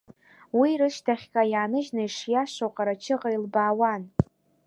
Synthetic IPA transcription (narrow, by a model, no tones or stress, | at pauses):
wiɾɨʃtʰaχʲkʼajaːnɨʒnaiʂjaʂowqʼaɾat͡ʃʰɨʁailbaːwan